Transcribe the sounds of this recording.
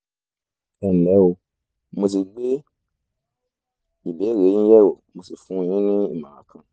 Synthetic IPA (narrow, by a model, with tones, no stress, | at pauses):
ɛ˨n̩˨lɛ˨˦o˧ | mo˧t̬i˧ɡ͡be˦ | i˨be˨˦˨ɾe˨˦jĩ˦jɛ˦wo˨mo˧si˨fũ˨˦˧jĩ˦nĩ˦i˦˨mã˨ɾã˨˦kʰã˧˨